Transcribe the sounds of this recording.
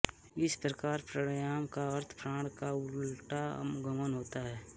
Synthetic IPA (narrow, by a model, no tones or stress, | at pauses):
ɪspɾəkaːɾpɾəɽjaːmkaəɾt̪ʰpʰɾãːɽkaʊlʈa̰mɡəmənɦoːt̪aɦɛː